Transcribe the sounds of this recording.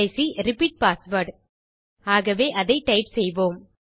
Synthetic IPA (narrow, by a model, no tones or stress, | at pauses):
ɐɪsiɾɪpiːʈ̚paːsʋɐɾɖ | aːɣɐʋeːʔɐðɐɪʈɐɪpsɛjʋoːm